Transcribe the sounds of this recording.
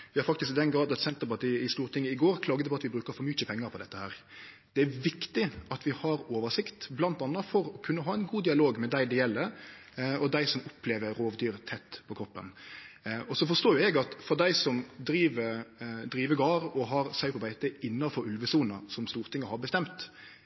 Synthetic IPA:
ʋɪhɑɾfɑkt̪ɪskɪd̪ɛnɡɾɑːd̪ɑt̪sɛnt̪əɾpɑt̪iːəɪst̪uːɾt̪ʰɪŋːəɪɡoːɾkʰlɑːɡəd̪əpʰɔɑt̪ʋɪbɾʉːkəɾfɔɾmʏt͡ʃːəpʰɛŋːəɾpʰɔd̪ɛt̪ːəhæːɾ | d̪ɛæʋɪkt̪ɪɑt̪ʋɪhɑɾoːʋəʂɪkt̪blɑnt̪ɑnːɑfɔɾɔkʰʉnːəɦɑːɛɪnɡuːd̪ɪɑloːɡmɛd̪æɪd̪ɛjɛlːə | ɔd̪æɪsɔmʊpʰleːʋəɾoːʋd̪yːɾt̪ʰɛt̪ːpʰɔkʰɾɔpːən | ɔsɔfɔʂt̪oːjʊɛɡɑt̪fɔɾd̪æɪsɔmd̪ɾiːʋəd̪ɾiːʋəɡɑːɾɔɦɑɾsæɪpʰɔbæɪt̪əɪnːɑfɔɾʉlʋəsuːnɑsɔmst̪uːɾt̪ʰɪŋːəhɑɾbəst̪ɛmt̪

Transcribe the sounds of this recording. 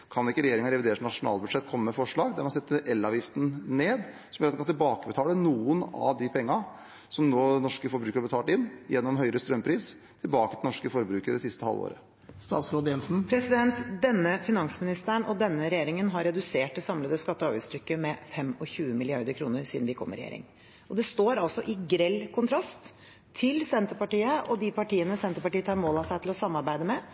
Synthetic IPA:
kʰɑnɪkːəɾɛjeːɾɪŋɑɾɛʋɪd̪eːɾəʂnɑʂʊnɑ̰ːlbʉd̪ʂɛt̪ːkʰɔmːəmɛfɔʂɭɑːɡd̪æɾmɛɑsɛt̪ːəʔɛlːɑːʋjɪft̪ən̩neːd̪ | sɔmjøːɾt̪ɛkɑnɪlbɑːkəbɛt̪ʰɑːlənuːənɑ̰ʋd̪ɪpʰɛŋːɑ | sɔmnoːnɔʂkəfɔɾbɾʉːkəɾɑbət̪ʰɑːlʈɪnːjɛnːɔmɦœʏɾəst̪ɾœmpʰɾiːs | t̪ʰɪlbɑːkət̪ɪlnɔʂkəfɔɾbɾʉːkəɾəd̪ɛsɪst̪əhɑ̰lːo̰ːɾə̰ | st̪ɑ̰ːt̪sɾoːd̪əjɛnsn̩pʰɾɛsɪd̪ɛnt̪d̪ɛnːəfɪnɑŋsəmɪnɪst̪əɳɔd̪ɛnːəɾɛjeːɾɪŋənɦɑɾɛd̪ʉseːʈːɪsɑmləd̪əskɑt̪ːəɔɑːɾʋəst̪ʰɾʏkːəmɛfɛmɔçʉːəmɪlɪɑɾd̪əɾkʰɾuːnəɾsiːd̪n̩ʋɪkʰɔ̰mːə̰ɾɛjḛːɾɪ̰ŋ | ɔd̪ɛst̪oːɾɑlsɔʔɪɡɾɛlːkʰʊnt̪ʰɾɑst̪ʰː | ɪlsɛnt̪əpɑʈiːəʔɔd̪ɪpʰɑʈiːənəsɛnt̪əɾpɑʈiːət̪ʰɑːɾmoːlɑsæɪt̪ɪlɔsɑmːɑɾbæɪd̪əmɛ

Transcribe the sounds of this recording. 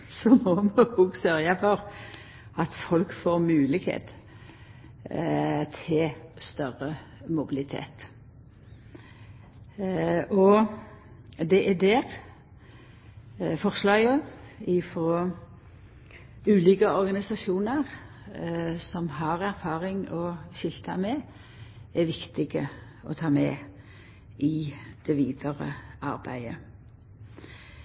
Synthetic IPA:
sɔmɔmɛhɔɡsœɾjəfɔʁ | ɑt̪fɔlkfoːʁmʉːlɪɡhḛːt̪ | t̪ʰɪlst̪œʁə | mʊbɪlɪt̪ʰḛːt̪ | ʔɔ | d̪ɛʔæd̪ɛːɾ | fɔʁslɑːɡoɪfɾoː | ʉːliːkəɔɾɡɑnɪsɑʃuːnəʁ | sɔmɦɑʁæɾfɑːʁɪŋɔʃɪlt̪ʰəmɛ | ɛʋɪkt̪ɪɡə | ɔ̰t̪ʰɑːmɛ | ʔɪd̪̥ɛʋiːd̪əʁə̰ʔɑ̰ɾbæ̰ɪə̰

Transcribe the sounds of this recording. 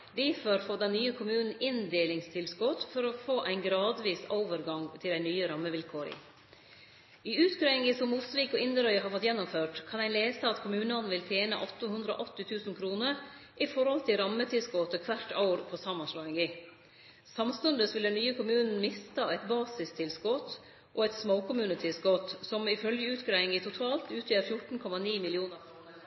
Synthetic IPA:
d̪ifɔɾfoːd̪ɛnnyːəkʰʊmʉːnn̩ɪnd̪eːlɪŋst̪ʰɪlskʊt̪fɔɾɔfoːʔæɪnɡɾɑːd̪ʋiːsoːʋəɾɡɑŋt̪ʰɪlæɪnyːəɾɑmːəʋɪlkʰoːɾɪ̰ | ɪʉːt̪kɾœɪŋɡɪsɔmːut̪sʋiːkɔɪnd̪əɾœʏɦɑːɾfɔt̪jɛnːʊmføːʈkʰɑnæɪleːsəɑt̪kʰʊmʉːnɑn̩ʋɪlt̪ʰjeːnə̰ʔɔt̪ːəhʉnd̪ɾəɔ̰ʔɔt̪ːɪt̪ʰʉːsn̩kʰɾuːnəɾ | ʔɪfɔɾhɔlt̪ʰɪlɾɑmːət̪ʰɪlskɔt̪əkʰʋæʈʰaʊɾpʰɔsɑmɑnsɭɑːɪŋi | sɑmst̪ʉnd̪əsʋɪld̪ɛnyːəkʰʊmʉːnn̩mɪst̪ɑɛɪt̪bɑːsɪst̪ʰɪlskɔt̪ | ʔoːɛɪt̪smoʊkʰʊmʉːnət̪ʰɪlskɔt̪sɔmɪfœljəʉːt̪ɡɾœɪŋiːt̪ʰʊt̪ʰɑːlt̪ʉːt̪ʰjəɾfjʊʈɳ̩kʰɔmɑniːmɪlɪuːnəɾkʰɾuːnəɾ

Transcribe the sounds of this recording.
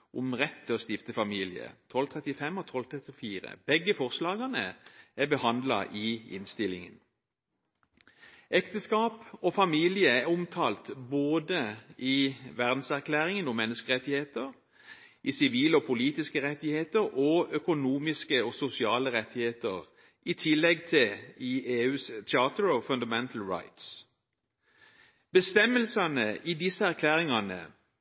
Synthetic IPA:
ʔʊmʁɛt̪ʰːɪlɔst̪ɪft̪əfɑmiːlɪə̰t̪ʰɔlt̪ʰʁɛt̪ɪfɛmːɔt̪ʰɔlt̪ʰʁɛt̪ɪfiːʁə̰b̥ɛɡːəfɔʁslɑːɡɑnəæbəhɑnd̪lɑ̰ʔɪɪ̰nst̪ɪlɪŋə̰n | ɛkt̪əskɑːpɔfɑmiːlɪəæʊmt̪ʰɑːlt̪boːd̪əiʋæʁd̪n̩sæʁkʰlæːʁɪŋənʊmːɛnːəskəʁɛt̪ːɪheːt̪əʁ | ʔisɪʋiːləɔpʰʊliːt̪ɪskəʁɛt̪ːɪheːt̪əʁɔœkʊnuːmɪskəɔsʊsɪɑːləʁɛt̪ːɪheːt̪əʁ | ʔit̪ʰɪlːɛɡt̪ʰɪiːeːʉːst̪ʰɪɑːt̪əɹɔfʉnd̪ɑmɛnt̪ʰl̩ɹa̰ɪt̪s | bəst̪ɛmːəlsɑnəʔiːd̪ɪsːəæʁkʰlæːʁɪŋɑnə̰

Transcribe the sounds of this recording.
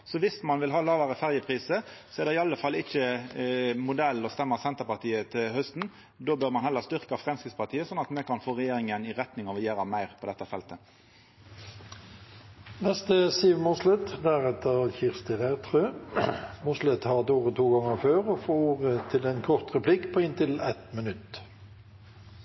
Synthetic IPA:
sɔʋɪsmɑnʋɪlɦɑːlɑːʋəʁəfæʁjəpʰʁiːsəsɔɛʁd̪ɛɪɑlːəfɑlːɪçə | mʊd̪ɛlːɔst̪ɛmːəsɛnt̪əʁpɑʁt̪ʰiːət̪ʰɪlhœst̪n̩ | d̪oːbøːʁmɑnhɛlːəʁst̪ʏʁkəɑfʁɛmskɪtspɑʁt̪ʰiːəsɔnːɑt̪mɛkʰɑnfoːʁɛjeːɾɪŋənɪʁɛt̪nɪŋɑʋɛjeːɾɑmæɪʁpʰɔd̪ɛt̪ːɑfɛlt̪ə | nɛst̪əsiːʋmʊslɛt̪d̪æʁɛt̪ʰəʁçɪʁst̪ɪʁæʁt̪ʰɾøː | mʊslɛt̪hɑd̪uːʁət̪ʰuːɡɑŋəføːʁɔfoːuːʁət̪ʰɪlɛnkʰɔʁt̪ʁɛplɪkːpʰɔːɪnt̪ɪlɛt̪mənʉt̪

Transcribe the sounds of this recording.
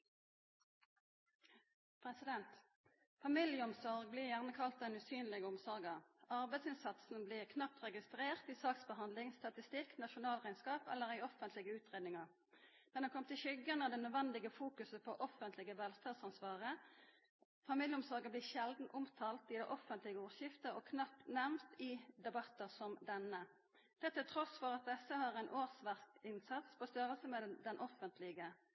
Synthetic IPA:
pʰʁɛsɪd̪ɛnt̪ | fɑmɪljəɔmsɔʁɡ̚bliːʁjæʁnəkʰɑlt̪̚d̪ɛnʉsyːnlɪɡəʊmsɔʁɡɑɑʁbæɪd̪sɪnsɑt̪sn̩bliːʁkʰnɑp̚t̪ʁɛɡɪst̪ʁeːʁt̪iːsɑːksbəɦɑnd̪lɪŋst̪ɑt̪ɪst̪ɪknɑʃʊnɑːlʁæɪnskɑːpɛ̰lːəʁæɪɔfənt̪ʰlɪɡəʉːt̪ʁeːd̪nɪŋɑʁ | d̪̥ɛnɑnkʰɔmt̪ʰɪlçʏɡənəd̪ɛnœd̪ʋɛnd̪ɪɡəfuːkʉsəpʰɔʔɔfənt̪lɪɡəʋɛlt̪ʰɑːd̪sɑnsʋɑːʁə | fɑmiljəʊmsɔːɡəblɪːʃɛld̪n̩ʔʊmt̪ʰɑːlt̪ɪd̪æʔɔfənt̪lɪɡəuːʁʃjɪft̪əɔkʰnɑpt̪næʁnt̪ɪd̪ɛbɑt̪ːəsɔmd̪ɛnə | t̪ʰɛt̪ːɪlt̪ʰʁɔsfɔʁɑt̪̚d̪ɛsːəhɑːʁæɪnʔoːʁsʋæʁst̪ɪnsɑt̪spʰɔst̪œʁəlsəmɛd̪ɛnʔɔfənt̪ʰlɪɡə

